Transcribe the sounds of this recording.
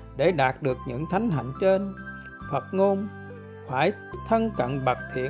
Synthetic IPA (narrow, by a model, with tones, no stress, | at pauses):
ɗe˧˩ɗaː˨˩t̚ɗɨ˨˩ək̚ɲɨ̰˧˥ŋt̪ʰa˨˦jŋ̟ɦa̰˧˨jŋ̟t͡ɕe˧n | fə˨˩t̚ŋo˧m | faː˧˩j | t̪ʰə˧nkə̰˧˨nɓa˨˩t̚t̪ʰḭ˧˨ə